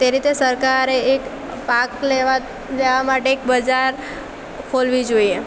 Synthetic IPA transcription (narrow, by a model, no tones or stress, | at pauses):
t̪eɾit̪esəɾkaɾeːk | pakleʋa | leʋamaʈeːk̚bəd͡ʒaɾ | kʰolʋid͡ʒoie